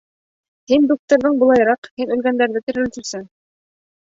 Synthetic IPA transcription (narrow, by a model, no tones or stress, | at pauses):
hind̪uk̚t̪ŏɾðɤɴbŏlˠɑjɤ̆ɾɑqhinɵ̆lɡænd̪æɾðɘt̪ɘ̆ɾɘ̆ɘ̆nt̪ɵ̆sɘŋ